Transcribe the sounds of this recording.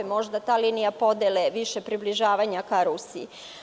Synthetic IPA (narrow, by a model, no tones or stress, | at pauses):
emo̞ʒd̪at̪aːlinijapo̞d̪eleʋiʃe̞pɾibliʒaːʋaɲakaɾusi